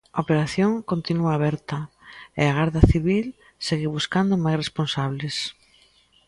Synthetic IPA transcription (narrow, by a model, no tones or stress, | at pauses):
aopeɾaθjoŋkont̪inuaːβɛɾt̪ɐ | ɪ̰aɣaɾðɐθiβil | seɣiβuskand̪ʊmajsresponsaβlɪs